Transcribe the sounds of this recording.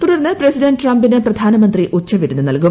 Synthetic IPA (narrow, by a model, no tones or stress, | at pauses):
t̪uɽɐrnːɨpresidɐnɖʈrɐmbinɨprɐd̪ʱaːnɐmɐnd̪riʔut͡ɕːɐʋiɾunːɨnɐlkum